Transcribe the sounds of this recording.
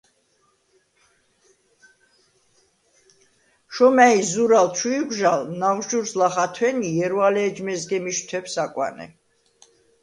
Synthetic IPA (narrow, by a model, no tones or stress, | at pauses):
ʃɔmæizuɾalt͡ʃʰujɡʷʒalnawʃuɾslaχat̪ʰwɛnijɛɾwalɛːd͡ʒmɛzɡɛmiʃt̪ʰɛpsakʼwa̰nɛ̰